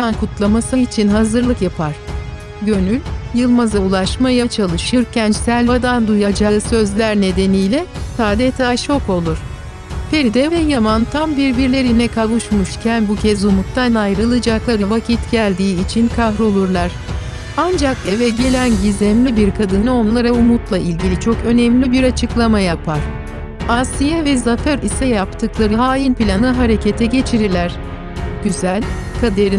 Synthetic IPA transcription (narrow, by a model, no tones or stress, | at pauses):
ankut̪lˠamasɯit͡ʃʰinɦazɯɾlˠɯkjapʰaɾ̥ | ɟø̞nylʲjɯlˠmazaulˠaʃmajat͡ʃʰalˠɯʃɯɾcʰænt͡ʃsælʲbad̪and̪ujad͡ʒaɾɯsø̞zlʲæɾne̞d̪e̞nijlʲɛsaːd̪et̪ʰaːʃo̞ko̞lˠuɾ̥ | pʰe̞ɾid̪ɛvɛjamant̪ʰambiɾbiɾlʲe̞ɾinɛkʰavuʃmuʃcʰænbucʰɛzumuk̚t̪ʰanajɾɯlˠɯd͡ʒaklˠaɾɯvacʰit̪ɟælʲd̪iːt͡ʃʰinkʰaɦɾo̞lˠuɾlˠaɾ̥ | and͡ʒakevɛɟe̞lʲænɟizɛmlʲibiɾkʰad̪ɯnɯo̞nlˠaɾaumut̪lˠaʔilʲɟilʲit͡ʃʰo̞kø̞nɛmlʲibiɾat͡ʃʰɯklˠamajapʰaɾ̥ | asijɛvɛzaføɾisɛjapt̪ʰɯklˠaɾɯɦaːjinʲpilʲanɯɦaɾe̞cʰe̞t̪ʰɛɟe̞t͡ʃʰiɾiɾlʲæɾ̝̥ | ɟ̥yzælʲkʰad̪eɾi